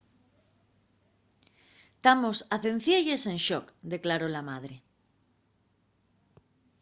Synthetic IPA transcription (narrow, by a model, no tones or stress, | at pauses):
t̪amosaθẽn̟θjeʎesẽnʃokd̪e̞klaɾolamað̞ɾe